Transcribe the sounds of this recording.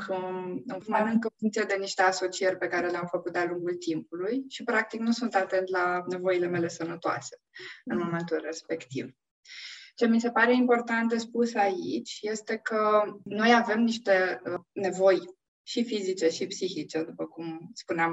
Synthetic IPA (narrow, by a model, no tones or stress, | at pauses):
kʰəɨnmaɾɨŋkəfuŋkt̪sijed̪e̞niʃt̪e̞aso̞t͡ʃierʲpe̞kaɾe̞leamfəkut̪̚d̪aluŋɡult̪impulujʃipɾak̚t̪iknusunt̪at̪e̞nt̪lane̞vo̞ile̞me̞le̞sənət̪oa̰se̥ɨnmo̞me̞nt̪ulre̞spe̞kt̪ḭv | t͡ʃe̞mis̬e̞paɾe̞impo̞rt̪ant̪̚d̪e̞spusaḭt͡ʃʲje̞st̪e̞kəno̞jave̞mniʃt̪e̞ne̞vo̞j | ʃifizit͡ʃe̞ʃipsixit͡ʃe̞d̪upəkumspuneam